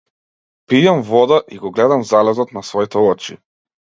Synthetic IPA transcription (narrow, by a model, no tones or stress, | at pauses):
pijamvɔd̪aʔiɡɔɡlɛd̪amzalɛzɔt̪nasvɔit̪ɛɔt͡ʃḭ